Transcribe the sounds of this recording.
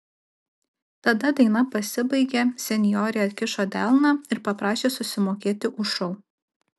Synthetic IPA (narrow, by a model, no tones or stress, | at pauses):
t̪ɐd̪ɐd̪ʲɐɪnɐpɐsʲɪbɐɪɡʲɛsʲɛnʲɪjoːɾʲeɐt̪ʲkʲɪʃoːd̪ʲɛlˠnɑːɪɾpɐpɾɑːʃʲeːsʊsʲɪmoːkʲeːt̪ʲɪʔʊʃɔʊ